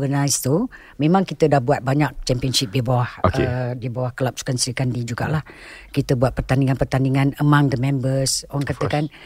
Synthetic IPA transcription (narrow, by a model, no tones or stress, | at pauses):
ɡənajst̪u | memãŋkit̪ədahbuat̪̚baɲak̚t͡ʃɛmpiənsip̚dibawahokəedibawahkəlap̚su̥kansrikandid͡ʒuɡa̰ʔlahkit̪əbuat̪̚pərt̪aniŋanpərt̪aniŋanəmaŋdəmɛ̃mbəsoaŋkat̪əkan